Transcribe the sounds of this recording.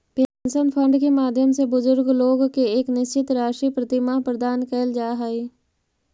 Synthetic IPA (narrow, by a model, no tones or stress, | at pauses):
pensənpʰə̃ɳɖkemaːd̪ʱjəmsebʊzʊɾɡloːɡkeeːknɪst͡ʃɪt̪ɾaːʃɾipɾət̪ɪmapɾəd̪aːnkəːld͡ʒaːɦaːiː